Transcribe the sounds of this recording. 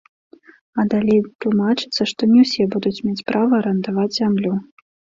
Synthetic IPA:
ɐd̪alʲejt̪lˠumat͡ʂɨ̥t̪sːɐʂt̪ɔnʲɛwsʲɛbud̪ut͡sʲmʲet͡sʲpɾʔavɐɾɐnd̪avad͡zʲzʲamlʲu

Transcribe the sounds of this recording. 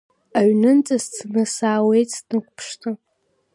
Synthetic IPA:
aɥnɨnt͡sʼɨzt͡sʰnɨsaːwe̞jt͡sʰʼnɨkʷʰʼpʰʂtʰʼɨ

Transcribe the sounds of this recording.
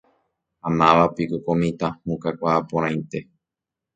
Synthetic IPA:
hãnãʋapikokomĩt̪ãhũkakʷaːpõɾ̃ãj̪̃t̪e̞

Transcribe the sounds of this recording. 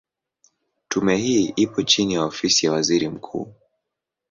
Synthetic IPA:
tumɛhiːʔipɔt͡ʃinijaɔfisijawaziɾim̩kʰṵː

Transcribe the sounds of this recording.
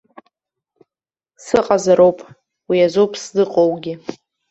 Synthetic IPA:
sɨqʼazaɾowpʼ | wiazowpʼʰsdɨqʼowɡʲɪ

